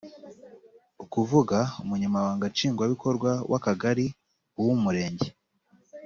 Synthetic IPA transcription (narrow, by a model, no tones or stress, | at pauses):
ukuvuɡaumuɲamaβaːŋɡat͡ʃiːŋɡwaβiko̞ɾɡwawʔakaɡaɾi | uwumuɾe̞ːɲɟe